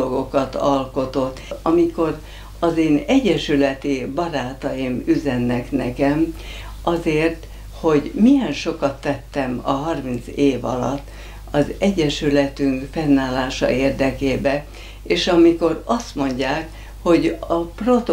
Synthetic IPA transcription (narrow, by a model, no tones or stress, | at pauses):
oɡo̞kɒt̪ɒlko̞t̪o̞t̪ːɒmiko̞r | ɒzeːnɛɟːɛʃylɛt̪ibɒɾaːt̪ɒjimyzɛnːɛknɛkɛm | ʔɒzeːrt̪ | ho̞ɟmijɛnʃo̞kɒt̪ːɛt̪ːɛmɒ̰ɦɒrmint̪seːvɒ̰lɒ̰t̪ː | ɒzɛɟːɛʃylɛt̪yŋkfɛnːaːlaːʃɒ̰eːrd̪ɛkeːbɛ | eːʃɒmiko̞rɒst̪mo̞ɲɟaːk | ho̞ɟɒprot̪